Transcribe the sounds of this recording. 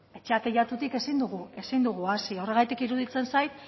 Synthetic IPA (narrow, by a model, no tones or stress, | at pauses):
e̞t͡ʃeat̪eʝat̪ut̪ike̞sind̪uɣue̞sind̪uɣ̞uasio̞re̞ɣ̞ajt̪ikiɾuðit͡se̞nsajt̪